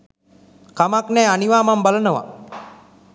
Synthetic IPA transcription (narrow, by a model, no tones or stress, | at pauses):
kamaknɛjaniʋaːmambalənəʋa̰